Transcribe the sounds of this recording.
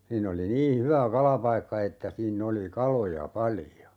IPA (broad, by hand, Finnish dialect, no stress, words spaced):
siːnː oli niː hyʋæ kɑlɑpɑikːɑ etːæ siːnː oli kɑlojɑ pɑlĭjo